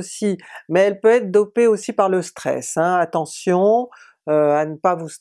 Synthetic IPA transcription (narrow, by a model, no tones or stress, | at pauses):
simɛɛlpøɛt̪χd̪ɔpeosipaʁləst̪χɛ̰sɛ̃at̪ɑ̃sjɔ̃ | øanəpavus